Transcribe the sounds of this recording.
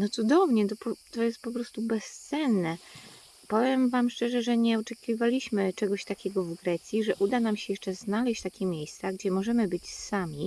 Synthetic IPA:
nɔt̪sud̪ɔvɲɛt̪ɔpɔt̪ɔjɛst̪̚pɔpɾɔst̪ubɛst̪sɛnːɛ | pɔvʲjɛmvamʂt͡ʂɛʐɛʐɛɲɛɔt͡ʂɛkʲivalʲiɕmɘt͡ʂɛɡɔɕt̪akʲɛɡɔvɡɾɛt̪sʲjiʐɛʔud̪anamɕɛjɛʂt͡ʂɛznalɛɕt͡ɕt̪akʲɛmʲjejst̪saɡd͡ʑɛmɔʐɛmɘbɘt͡ɕsamʲi

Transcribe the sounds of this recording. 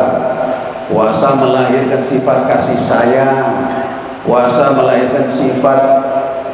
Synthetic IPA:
r | wasaməlaɪrkansifat̪̚kasihsaja | wasaməlairkansifat̪̚

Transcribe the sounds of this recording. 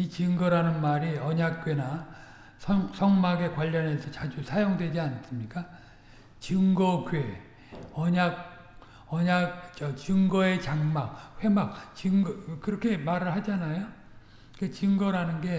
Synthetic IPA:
it͡ɕɯŋɡʌɾanɯnmaɾiʌɲak̚k͈we̞na | sʰʌŋsʰʌŋmaɡe̞kwaʎːʌne̞sʰʌt͡ɕad͡ʑusʰajoŋdwe̞d͡ʑians͈ɯmɲik͈a | t͡ɕɯŋɡʌɡɥe̞ | ʌɲaɡ̚ | ʌɲaɡ̚t͡ɕʌt͡ɕɯŋɡʌe̞t͡ɕaŋmak̚ɸwe̞mak̚t͡ɕɯŋʌkɯɾʌkʰe̞maɾɯɭhad͡ʑanajo | iket͡ɕɯŋɡʌɾanɯnɡe̞

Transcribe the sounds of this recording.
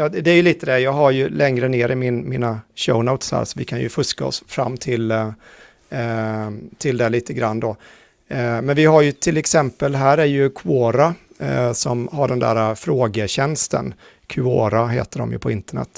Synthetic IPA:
jɑːd̪ɛæɾjɵliːt̪əd̪ɛjɑːɡɦaɾjɵlɛŋɾəneːɾɪmɪnmiːnaɕə̰ʊnəʊt̪shæ̰ːɾsɔvɪkʰanjɵ̰fɵskaɔ̰sfɾa̰mːt̪ʰɪl | t̪ʰɪld̪ɛliːt̪əɡɾanːd̪ɔ | mɛnvɪɦaɾjɵt̪ʰɪlɛksɛmpəlɦæːɾæɾjɵkʰʉoːɾasɔmɦaɖɛnd̪æ̰ːɾafɾoːɡəɕɛnst̪ə̰n | kʰʉoːɾaɦḛːt̪əɖɔ̰mjɵ̰pʰɔɪnt̪əɳɛ̰t̪ː

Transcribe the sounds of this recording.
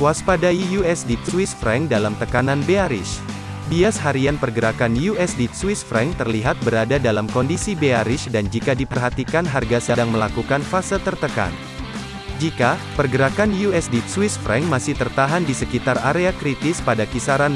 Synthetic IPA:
waspadajijuɛsdit̪swisfɾɛŋdalamt̪əkananbeaɾɪ̰s | biasɦaɾianpərɡəɾakanjuɛsdiswisfɾɛŋt̪ərliɦat̪̚bəɾadadalamkɔndisibeaɾɪʃdand͡ʒikadipərɦat̪ikanɦarɡasədaŋməlakukanfasəlt̪ərt̪əka̰n | d͡ʒikapərɡəɾakanjuɛsdit̪swisfɾɛŋmasɪht̪ərt̪aɦandisəkit̪araɾeakɾit̪ɪspadakisaɾan

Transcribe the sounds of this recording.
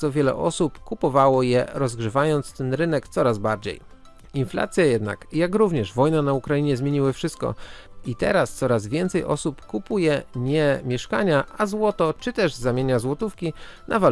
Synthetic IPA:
ɔvʲjɛlɛ̰ʔɔsupkupɔvawɔjɛɾɔzɡʐɘvajɔnt̪st̪ɛnɾɘnɛkt̪sɔɾazbaɾd͡ʑḛj | infla̰t̪sʲjajɛd̪na̰kjakɾuvɲɛʐvɔjnanaukɾajiɲɛzmʲjeɲiwɘfʂɘst̪̚kɔ̰it̪ɛ̰ɾast̪sɔɾazvʲjɛnt̪sɛjʔɔ̰supkupujɛɲɛmʲjɛʂkaɲaazwɔt̪ɔt͡ʂɘt̪ɛʐzamʲjeɲazwɔt̪ufkʲinʔava

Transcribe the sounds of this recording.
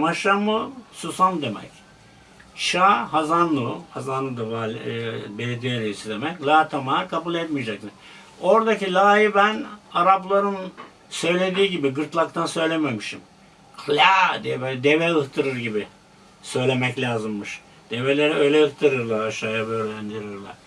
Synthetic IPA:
maʃamɯsusamd̪e̞mɛ̰c | ʃaːhazanlˠɯhazanlˠɯd̪avalʲbelʲed̪ijeɾeisid̪emɛclʲˠaːt̪ʰamaɾkʰabulˠɛt̪mijd͡ʒak̚t̪ʰɯ | o̞ɾd̪acilʲaːjibænaɾaplˠaɾɯn | sø̞jlʲe̞d̪iːɟibiɡɯɾt̪lˠakt̪ʰansø̞jlʲememiʃim | kʰlʲad̪iɛbølʲɛd̪evɛɯht̪ʰɯɾɯɾɟibi | sø̞jlʲe̞mɛclʲaːzɯmːɯʃ | d̪̥e̞velʲe̞ɾiø̞jlʲɛɯht̪ʰɯɾɯɾlˠaɾʃajabøːɾlʲænd̪iɾiɾlˠa̰ɾ̥

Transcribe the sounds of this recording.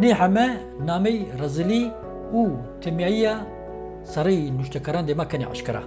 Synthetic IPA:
neːħamɛ | naːmɛjrɐzɨli | uːt̪ʰɛmjaːijaː | sɐɾejnuʃt̪ɛkʰɐɾaːnd̪emakʰɛnḛʕa̰ʃkɨɾa̰

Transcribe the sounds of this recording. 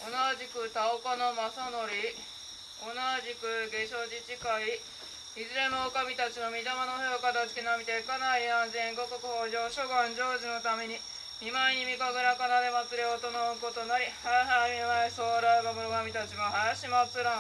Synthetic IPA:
onaʑikɯ̟t̪aokanomasano̞ɾʲi | onaʑikɯ̟ɡe̞ɕo̞ʑit͡ɕikai | izɨɾe̞nookamʲit̪at͡ɕino̞mʲid̪amanoheokad̪asɨ̥kʲinamʲit̪ekanaiãnzẽ̞ŋɡo̞kokɯ̟hoːʑo̞ːɕoɡãɲd͡ʑo̞ːʑino̞t̪ame̞ɲ̟i | mʲimaeɲ̟imʲikaɡɯɾakanad̪e̞mat͡sɨɾe̞ot̪o̞naɯko̞t̪o̞naɾʲihaɦaimʲimaeso̞ːɾaeɡamonokamʲit̪at͡ɕimoɦajaɕimat͡sɨɾã

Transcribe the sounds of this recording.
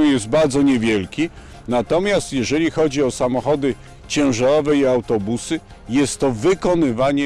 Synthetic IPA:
jɛst̪̚baɾd̪zɔɲɛvʲjɛlkʲi | nat̪ɔmʲjast̪jɛʐɛlʲixɔd͡ʑiɔsamɔxɔd̪ɘ | t͡ɕɛ̃w̃ʐaɾɔvɛiawt̪ɔbusɘ | jɛst̪ːɔvɘkɔnɘvaɲɛ

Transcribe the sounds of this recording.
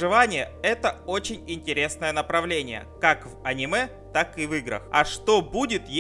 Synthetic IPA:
ʐɨvanʲɪjəɛt̪əo̞t͡ɕɪnʲɪnʲtʲɪɾʲe̞snəjənəpɾɐvlʲenʲɪjə̰kakvɐnʲɪmɛ | t̪akɨvɨɡɾə̰xɐʂt̪o̞budʲɪt̪j

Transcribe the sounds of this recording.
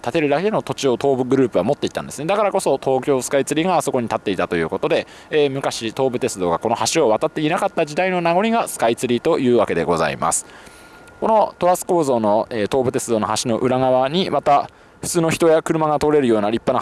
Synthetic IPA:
t̪at̪e̞ɾɯ̟d̪ake̞no̞t̪o̞t͡ɕio̞t̪o̞ːbɯ̟ɡɯ̟ɾɯ̟ːpɯ̟βamo̞t̪ːeit̪ãnd̪e̞sɨne̞d̪akaɾako̞so̞t̪o̞ːkʲo̞ːsɨ̥kait͡sɨɾʲiɡaso̞ko̞ɲ̟it̪at̪ːe̞it̪at̪o̞jɯ̟̰ːko̞t̪o̞d̪e̞ː | mɯ̟kaɕit̪o̞ːbɯ̟t̪e̞t͡sɨd̪o̞ːɡako̞no̞haɕio̞βat̪at̪ːe̞inakat̪ːaʑid̪aino̞naɡo̞ɾʲiɡasɨ̥kait͡sɨɾʲit̪o̞jɯ̟ːβake̞d̪e̞̰ɡo̞za̰ḭma̰sɨ̥ | ko̞no̞t̪o̞ɾasɨ̥ko̞ːzo̞ːno̞eːt̪oːbɯ̟t̪e̞t͡sɨd̪o̞ːno̞haɕino̞ʔɯ̟ɾaɡaβaɲ̟imat̪a | ɸɯ̟̥t͡sɨːno̞çi̥t̪o̞jakɯ̟ɾɯ̟maɡat̪oɾe̞ɾɯ̟jo̞ːnaɾʲipːana

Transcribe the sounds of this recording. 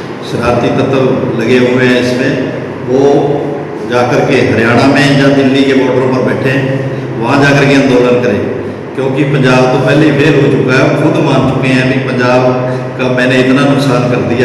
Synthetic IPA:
ʃəɾaːɾt̪iːt̪ət̪ʰəʋləɡeːɦoːeɛ̃ːɪsmẽː | oː | d͡ʒaːkəɾkeɦəɾjaːɽ̃ãːmẽːd͡ʒãːd̪ɪlːiːkeːboːɽbəɾõːpəɾbɛːʈʰẽː | ʋəãːd͡ʒaːkəɾkeə̃nd̪oːlənkəɾeː | kjõːkɪpəɲd͡ʒaːbt̪õːpɛːleiːpʰeɾɦoːt͡ʃʊkaːɛːoːkʰʊd̪mãːnt͡ʃʊkẽːɛ̃ːbiːpəɲd͡ʒaːb | kaːmɛ̃ːnẽːɪt̪nãːnʊksaːnkəɾd̪ijaː

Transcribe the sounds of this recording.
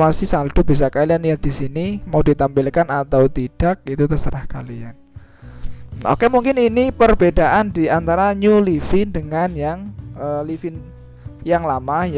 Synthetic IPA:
asisad̪̥ub̥is̬akalianijat̪̚d̥isinimaudit̪ampɪlkanat̪awt̪id̥ak̚it̪ut̪əsəɾahkalian | o̰kɛmuŋkɪninipərbedaʔandiant̪aɾaɲulifɪndəŋanjaŋəlifɪn | jaŋlamahj

